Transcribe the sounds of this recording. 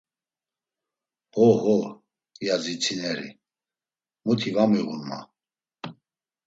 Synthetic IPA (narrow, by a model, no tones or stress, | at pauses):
hɔhɔ | jazit͡sʰinɛɾḭ | mut̪ʰivamiɣunma̰